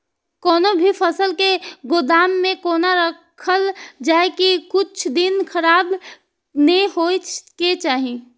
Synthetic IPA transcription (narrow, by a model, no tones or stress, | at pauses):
kɔːnobʱipʰəsəlkeɡod̪aːmːẽkoːnaɾəkkʰəld͡ʒaːkikʊt͡ʃʰd̪inkʰəɾaːb | nəɦot͡ʃket͡ʃaːɦi